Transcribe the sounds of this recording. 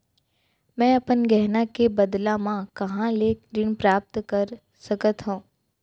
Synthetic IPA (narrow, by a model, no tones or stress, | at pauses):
mɛ̃ɐpənɡɛɦnakebəd̪lãmãkɐɦãleːkɾɪnpɾaːp̚t̪kəɾ | səkət̪ɦõː